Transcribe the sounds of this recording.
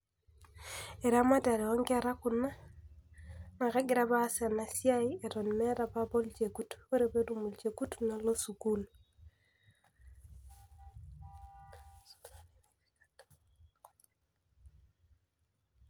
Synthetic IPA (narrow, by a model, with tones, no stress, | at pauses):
e˨ɾa˦ma˦ta˨ɾe˨o˦ŋɡa˨ɾa˦ku˨na˦ | na˨ka˦ɡɪ˨ɾa˦βa˦sa˨na˨sja˦ie˨ɾo˨nmɛ˦ɾa˨ba˦bo˦lt͡ʃe˨ku˦to˦ɾe˨be˦du˦mu˨lt͡ʃe˨ku˦tna˨lo˦su˨ku˦l